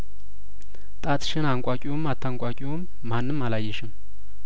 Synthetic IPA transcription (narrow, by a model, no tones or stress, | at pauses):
t̪ʼat̪ʰʼʃɨnaŋkʷʼakʲʼiwomat̪ʰːaŋkʷʼakʲʼiwomːanːɨmːalajːɪʃɪm